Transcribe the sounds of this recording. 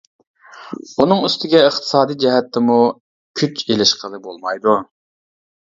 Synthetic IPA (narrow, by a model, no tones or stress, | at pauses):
unɨŋyst̪ɪɡʲɛəχt̪ʰɨ̥sɑːd̪ijd͡ʒɛɦɛt̪ʰːɪmu | kʲʰyt͡ʃelɪʃqʰəlˠɨbolˠmɑjd̪u